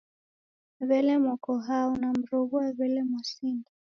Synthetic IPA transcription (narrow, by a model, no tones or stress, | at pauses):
βɛlɛmɔkɔɦaunam̩ɾɔɣuaβɛlɛmwɔsindi